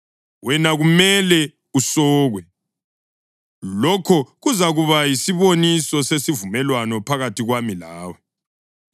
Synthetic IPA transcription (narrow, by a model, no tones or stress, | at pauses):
wɛnaɣumɛlɛ | usɔːɣwɛ | lɔkʰɔɣuzaɣuβajisiβonisɔsesivumɛlwanɔpʰaɣatʰiɣwamilaːwɛ